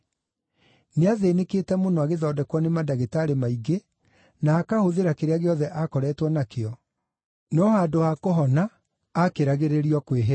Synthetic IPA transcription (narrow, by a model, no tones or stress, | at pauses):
neaðenekeːtɛmonoaɣeðɔːdɛkwɔnemadaɣetaɾemaiɡe | naːkahoðeɾakeɾeaɣeɔðɛʔakɔɾɛːtwɔnakeɔ | nɔhaːdoakoɦɔnaː | keɾaɣeɾeɾiɔkweɦe